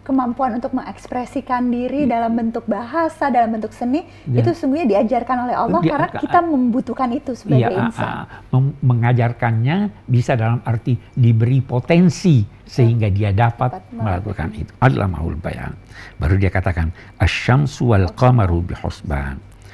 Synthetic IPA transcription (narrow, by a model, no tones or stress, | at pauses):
kəmampuanunt̪ʊk̚məŋɛkspɾɛsikandiɾidalambənt̪ʊk̚baɦasadalambənt̪ʊksənɪ | it̪usuŋɡuhɲadiad͡ʒarkanolɛhɑllˠːɔhdikaɾənakit̪aməmbut̪ukanit̪usəbjɡaa̰nsa̰a̰məməŋad͡ʒarkanɲabisadalamart̪idibəɾipot̪ɛnsi | səɦiŋɡadiadapatt̪̚mməlakuka̰nḭt̪u̥ʔadala̰ma̰ṵlba̰ja̰ŋbaɾudiakat̪akan | aʃːamsualqamaɾubihṵsba̰n